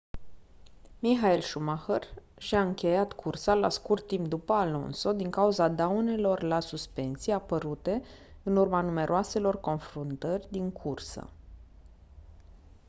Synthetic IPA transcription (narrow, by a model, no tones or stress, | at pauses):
miɦaelʃumaxər | ʃiaɨŋkʲe̞jat̪kʰursala̰skurt̪ːimp̚d̪upəalo̞̰nso̞d̪iŋkauzad̪aune̞lo̞rlasuspe̞nt̪siapəɾut̪e̞ | ɨnurmanume̞ɾʔoase̞lo̞rko̞nfɾunt̪ərʲd̪iŋkʰursə̰